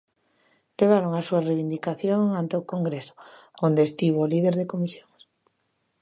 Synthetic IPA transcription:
leβ̞aɾoŋasuareβind̪ikaθjoŋant̪eokoŋɡɾeso̥ond̪eːst̪iβ̞olið̞eɾð̞ekomisjoŋs

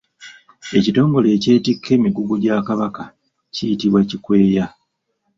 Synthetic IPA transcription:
e̞cito̞ːŋɡo̞le̞ːce̞ːtikʰːe̞ːmiɡuɡuɟaːkaβaka | cijitiβwacikwe̞ːja

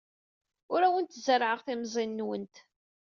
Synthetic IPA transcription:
ʊɾæwənt̪zəɾʕəʁθimzˤinːwənt̪

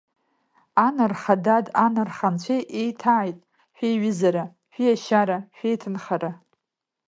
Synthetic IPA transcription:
anarχadadanɨrχant͡ɕʷʰejʔejtʰaːjtʼ | ʃʷᶣejɥɪzaɾa | ʃᶣijaʃaɾaʃᶣejtʰɨnχaɾa

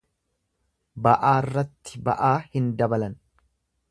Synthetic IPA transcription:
bɐʔaːrːɐt̪ːɪbɐ̰ʔaːhɪnd̪ɐbɐlɐn

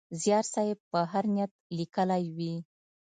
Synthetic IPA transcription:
zjɑɾsɑjepəɦaɾnjat̪̚likəlajwi

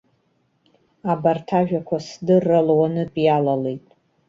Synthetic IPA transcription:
abartʰaʒᶣakʷasdɨrːɨlwanɨpʼjalalejtʼ

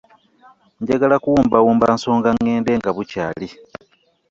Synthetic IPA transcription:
ɲɟaɡalakuwuːmbawuːmbaːnso̞ːŋɡaŋːeːnde̞ːŋɡaβucaːli

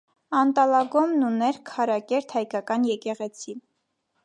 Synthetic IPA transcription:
ɑnt̪ɑlɑɡɔmnunɛɾkʰɑɾɑkɛɾt̪ʰhɑjkɑkɑnjɛkɛʁɛt͡sʰi

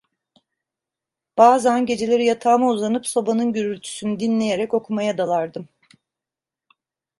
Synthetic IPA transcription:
b̥aːzænɟe̞d͡ʒe̞lʲe̞ɾijat̪ʰaːmauzanɯpso̞banɯnɟyɾylʲt̪ʰy̥synyd̪inlʲe̞je̞ɾɛco̞kʰumajad̪alˠaɾd̪ɯm

